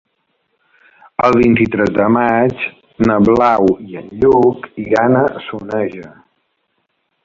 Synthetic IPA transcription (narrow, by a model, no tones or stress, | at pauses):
əlˠβint̪it̪ɾɛzðəmat͡ʃ | nəβlawiənʎukiɣanəsunɛʒə